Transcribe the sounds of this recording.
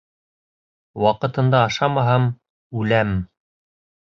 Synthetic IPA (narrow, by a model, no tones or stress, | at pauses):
wɑqɤ̆t̪ɤ̆nd̪ɑːʃɑmɑɦɑm | ʉlæm